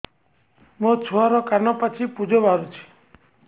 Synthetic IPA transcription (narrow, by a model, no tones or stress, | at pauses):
mõt͡ʃʰoaɾokaɾnopət͡ʃʰipud͡ʒʱoʋaɾũt͡ʃʰi̥